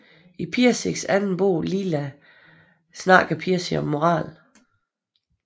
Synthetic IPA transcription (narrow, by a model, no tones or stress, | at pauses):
ipʰiɐseɡ̥sænn̩b̥o̝̰ːlilæ | snɑ̈ːɡ̥pʰiɐsiɒ̽mːo̝ʁɑ̰̈ːl